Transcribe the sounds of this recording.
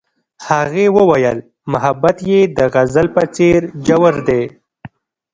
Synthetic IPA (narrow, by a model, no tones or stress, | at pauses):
haɣewəwajəl | mʊɦabat̪jed̪əɣazəlpət͡seɾd͡ʒawəɾd̪e